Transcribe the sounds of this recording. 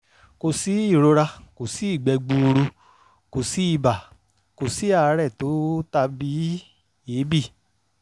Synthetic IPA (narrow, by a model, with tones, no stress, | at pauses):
ko˧si˦i˦˨ɾo˧ɾa˧ko˨si˨˦i˦˨ɡ͡bɛ˧ɡ͡bũ˧ɾu˧ | ko˨si˨˦i˦˨ba˨ | ko˨si˨˦a˦˨˧ɾɛ˦˨to˨˦ta˧bi˦ | e˨˦bi˦˨